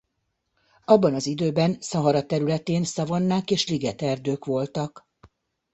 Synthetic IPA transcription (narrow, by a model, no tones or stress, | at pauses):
ɒbːɒnɒzid̪øːbɛnsɒɦɒɾɒt̪ɛɾylɛt̪eːnsɒvonːaːkeːʃliɡɛt̪ɛrd̪øːkʋo̞lt̪ɒk